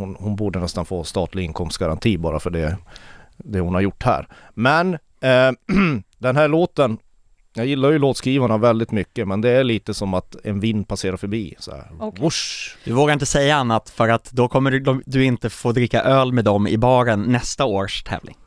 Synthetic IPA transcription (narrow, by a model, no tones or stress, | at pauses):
hʊnhʊnbuːɖənɛst̪anfoːst̪ɑːt̪lɪɡɪnkʰɔmst̪ɡaɾa̰nt̪ʰiːbɑ̰ːɾafœɖɛ | d̪ɛhʊnhaɾjʊʈːhæ̰ːɾ | mɛn | d̪ɛnɦæːɭoːt̪ən | jɑːɡjɪlːaɾjɵloːt̪skɾiːvaɳavɛld̪ɪt̪mʏkːəmɛnd̪ɛæɾɭiːt̪əsɔmat̪ɛnvɪnd̪pʰaseːɾaɾfœɾbiːsɔ̰ɛ̰ʊʂd̪ɪvoːɡaɾɪnt̪əsɛjːaanːat̪fœɾat̪d̪ɔkʰɔmːəɖd̪ɔd̪ɵɪnt̪əfoːd̪ɾɪkːa̰ʔøːlmed̪ɔmɪ̰bɑːɾənːɛst̪aoːʂt̪ʰɛ̰ːvlɪ̰ŋ